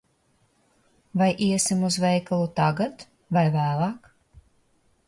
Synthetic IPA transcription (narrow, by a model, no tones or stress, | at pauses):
vajʔiɛsimuzvɛjkalˠut̪aɡat̪ | vajvæːlˠɑːk